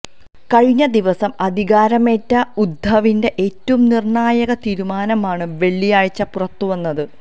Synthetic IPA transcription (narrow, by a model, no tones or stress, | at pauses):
kɐɻiɲːɐd̪iʋɐsɐmɐd̪ʱiɣaːɾɐme̞ːtːɐud̪ʱːɐʋinde̞ʔeːtːɐʋumnirɳaːjɐɣɐt̪iːɾumaːnɐmaːɳɨʋe̞ɭːijaːɻit͡ɕːɐpurɐt̪ːuʋɐnːɐðɨ